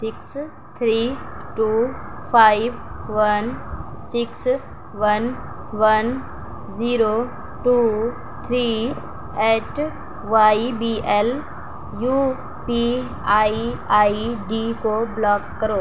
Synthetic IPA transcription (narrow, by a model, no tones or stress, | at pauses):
sɪks | t̪ʰɾiː | ʈuː | pʰaːɪʋ | ʋənsɪks | ʋɐn | ʋɐn | ziːɾo | ʈuː | t̪ʰɾiː | ɛːʈ | ʋaːibiːʔɛl | juː | pi | aiaːiɖikoblɔːkːəɾoː